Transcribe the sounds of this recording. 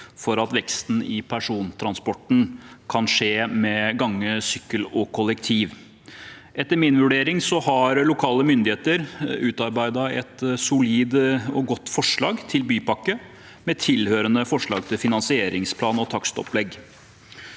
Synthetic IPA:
fɔɾɑt̪ʋɛkst̪n̩ɪpʰæʂuːnt̪ʰɾɑnspɔʈɳ̩kʰɑnʂeːmɛɡɑŋːəsʏkːəlɔkʰʊlɛkt̪ʰiːʋ | ʔɛt̪ːəɾmɪnʋʉɖeːɾɪŋsɔhɑɾlʊkʰɑːləmʏnd̪ɪeːt̪əɾʉːt̪ɑɾbæɪd̪ɑɛ̰t̪sʊliːd̪əɔɡɔt̪ːfɔʂɭɑːɡt̪ʰɪlbyːpɑkːə | mɛt̪ʰɪlhøːɾənəfɔʂɭɑːɡ̚t̪ʰɪlfɪnɑnsɪeːɾɪŋspʰlɑːnɔt̪ʰɑkst̪ɔ̰plɛɡː

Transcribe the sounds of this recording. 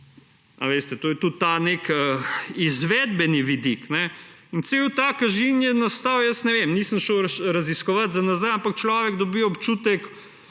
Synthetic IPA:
a̰ʋeːst̪ɛt̪oːjɛt̪ut̪ːanekəizʋɛːd̪̚bɛniʋid̪iknɛint̪seːwt̪aːkɐʒinjɛnast̪aːwjəsnɛʋemniːsəmʃəwɾɐziskɔʋat̪zanazajampak̚t͡ʃlaːʋɛɡd̪ɔbiːɔpt͡ʃuːt̪ɛk

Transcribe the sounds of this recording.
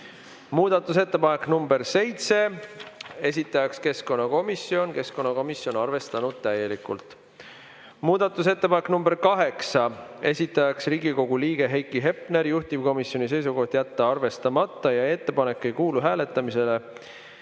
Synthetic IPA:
muːd̪̥ɑt̪ːˑus̬e̞t̪ːepɑne̞kːnumbe̞ɾse̞jt̪se̞ | e̞s̬ʲit̪ːˑɑjɑkske̞sko̞nːɑko̞misjo̞nke̞sko̞nːɑko̞misjo̞nɑrve̞st̪ɑnud̪̥̚t̪æje̞likːˑult̪ˑ | muːd̪̥ɑt̪ːˑus̬e̞t̪ːe̞pɑnekːnumb̥e̞ɾkɑɦe̞ksɑe̞̰sʲit̪ːˑɑjɑksriːɡiko̞ɡ̥uliːɡ̥e̞ɦejkːˑiɦe̞pne̞ɾjuht̪ib̥ko̞misːjo̞nis̬e̞js̬uɡo̞ht̪jæt̪ːeɑrve̞st̪ɑmɑt̪ˑːɑjɑe̞t̪ːe̞pɑne̞kːe̞jkuːluɦæːle̞t̪ːˑɑmise̞le̞

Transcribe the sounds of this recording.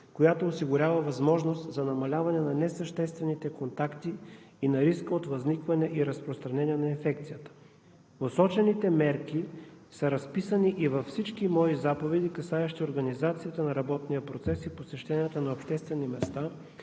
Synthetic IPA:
kojat̪oːsiɡʊɾʲavəvɐzmɔʒnost̪zɐnɐmɐlʲavɐnɛnɐnɛsɐʃt̪ɛst̪vɛnit̪ɛkont̪akt̪i | inɐɾiskəot̪vɐznikvɐnɛʔiɾɐspɾost̪ɾɐnɛnijɛnɐinfɛkt̪sijət̪ə̥ | osɔt͡ʃɛnit̪ɛmɛɾki | səɾɐspisəniʔivɐfsit͡ʃkimɔizapovɛd̪ikɐsaɛʃt̪ioɾɡɐnizat̪sijət̪ənɐɾɐbɔt̪nijəpɾot̪sɛsiposɛʃt̪ɛnijət̪ənɐopʃt̪ɛst̪vɛnimɛst̪a

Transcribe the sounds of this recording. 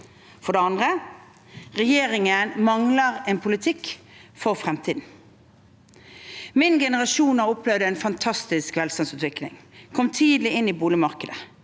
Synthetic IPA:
fɔʁd̪ɛɑnd̪ʁə | ʁɛjeːɾɪŋənmɑŋləʁɛːnpʰʊlɪt̪ʰɪkː | fɔʁfʁɛmt̪ʰiːd̪n̩ | mɪnɡɛnəʁɑʃuːnɑʁɔplɛʋd̪əɛːnfɑnt̪ʰɑst̪ɪskʋɛlst̪ɑnsʉːt̪ʋɪklɪ̰ŋkʰɔmt̪ʰiːd̪lɪɪnːiːbuːlɪmɑʁkəd̪ə

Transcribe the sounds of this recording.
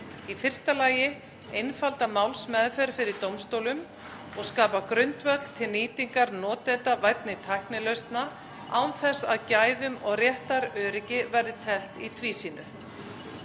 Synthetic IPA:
ifɪr̥st̪alaːjɪ | ejnfalt̪amawlsmɛːðfɛɾfɪɾɪɾt̪owmst̪owlʏm | ɔɣskaːpakɾʏnt̪vœt̪l̥t̪ʰɪlniːt̪iŋkaɾnɔːt̪ɛnt̪avajt̪nɪt̪ʰajhknɪlœɥst̪na | awθɛsa̰ðcaːjðʏmɔɣrjɛht̪aɾœːɾɪcɪvɛɾðɪt̪ʰɛl̥t̪it̪ʰviːsiːnʏ

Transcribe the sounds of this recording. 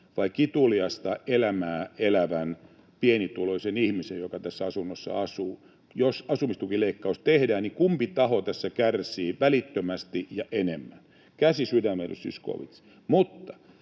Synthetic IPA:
ʋɑikit̪uliɑst̪ɑʔelæmæːelæʋæn | pienit̪uloisenihmisejjokɑt̪æsːæɑsunːosːɑ̰ɑsuː | josɑsumist̪ukileikːɑust̪ehdæːnnikumpit̪ɑhot̪æsːækærsiːʋælit̪ːømæst̪ijɑʔenemːæn | kæsisydæmːejo̰ssy̰sko̰ːʋḭt̪s | mut̪ːɑ̥

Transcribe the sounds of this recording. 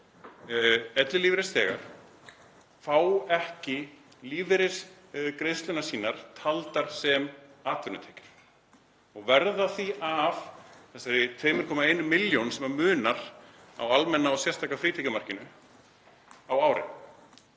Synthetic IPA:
ɛt̪lɪliːvɪɾɪsθɛːɣa̰ɾ̥ | faːwɛhcɪ | liːvɪɾɪ̥s | kɾejðst̪lʏnasiːnaɾ̥t̪ʰalt̪aɾ̥sɛmaːt̪ʰvʏɾnʏt̪ʰɛːcɪ̥ɾ̥ | ɔɣvɛɾðaθiavθɛsɛɾɪt̪ʰveːmɪɾkʰɔːmaejnʏmɪljownsɛmaɾmʏːnaɾ̥ | a̰walmɛnːaɔsjɛr̥st̪aːkːafɾiːt̪ʰɛcʏmar̥cɪnʏ | awaːwɾɪ̰n

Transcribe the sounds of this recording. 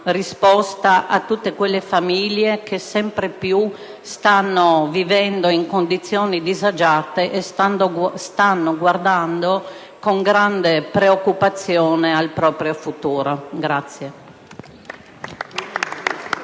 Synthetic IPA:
rispɔst̪aʔat̪ːut̪ːekwelːefamiljekesɛmpɾepju | st̪anːovivɛnd̪oiŋkond̪it̪sːjoːnid̪izad͡ʒaːt̪eʔest̪and̪ost̪anːoɡward̪and̪o | koŋɡɾand̪epɾeokːupat̪sːjoːnealpɾɔːpɾjofut̪uːɾoɡɾat̪sːje

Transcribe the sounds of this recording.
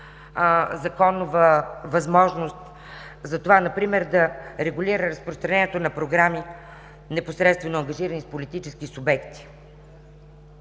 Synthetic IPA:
zɐkɔnovəvɐzmɔʒnost̪ | zɐt̪ovanɐpɾimɛɾd̪ɐɾɛɡulʲiɾəɾəspɾost̪ɾɐnɛniɛt̪onɐpɾoɡɾami | nɛposɾɛt̪st̪vɛnoɐŋɡɐʒiɾənispolit̪it͡ʃɛskisubɛkt̪i̥

